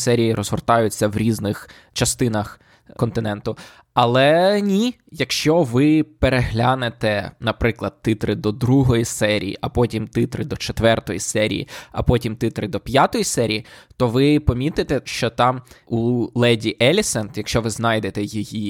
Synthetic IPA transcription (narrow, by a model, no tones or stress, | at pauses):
sɛɾʲijiɾɔzhɔrt̪ɑjʊt͡sʲːɐwɾʲiznɪx | t͡ʃɐst̪ɪnɐx | kɔnt̪ɪnɛnt̪ʊ | ɐlˠɛnʲi | jɐkʃt͡ʃɔʋɪpeɾeɦlʲanet̪ɛnɐpɾɪklˠɐd̪̚t̪ːɪt̪ɾɪd̪ɔd̪ɾuɦɔjisɛɾʲḭjḭʔɐpɔtʲimt̪ɪt̪ɾɪd̪ɔt͡ʃet̪ʋɛrt̪ɔjḭsɛɾʲḭjḭɐ̰pɔtʲimt̪ɪt̪ɾɪd̪ɔpʲjat̪ɔjisɛɾʲijit̪ɔʋɪpɔmʲit̪ɪt̪ɛʃt͡ʃɔt̪ɑmulˠɛdʲiʔɛlʲisɛnt̪jɐkʃt͡ʃɔʋɪznɑjd̪et̪ɛjiji